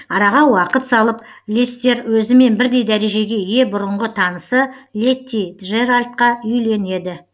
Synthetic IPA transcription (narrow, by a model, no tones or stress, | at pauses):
ɑɾɑʁɑwɑqət̪sɑlˠəp | lʲist̪e̞ɾwɵzɪme̞nbɪɾd̪e̞jd̪æɾe̞ʒe̞ɡʲe̞je̞bʊɾəɴʁət̪ʰɑnəsəlʲe̞t̪ːiʒeɾalʲt̪̚qɑʏjle̞ne̞d̪ɪ